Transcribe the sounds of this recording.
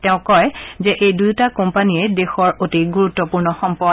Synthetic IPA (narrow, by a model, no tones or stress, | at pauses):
tɛʊ̃kɔjzɛʔejdujtakɔmpaniɛdexɔɹotiɡuɹutːɔpuɹnɔxɔmpɔ